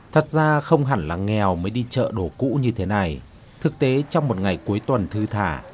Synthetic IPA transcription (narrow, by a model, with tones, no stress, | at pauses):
t̪ʰə˨˩t̚zaː˧xə˧wŋ͡mɦa˧˩nlaː˨˩ŋɛ˨˩wməː˨˦jɗi˧t͡ɕə̰ː˧˨ɗo˧˩kṵ˧˥ɲɨ˧t̪ʰe˨˦na˨˩j | t̪ʰɨ˨˩k̚t̪e˨˦t͡ɕɔ˧wŋ͡mmo˨˩t̚ŋa˨˩jku˨˦əjt̪wə˨˩nt̪ʰɨ˧t̪ʰa̰ː˧˩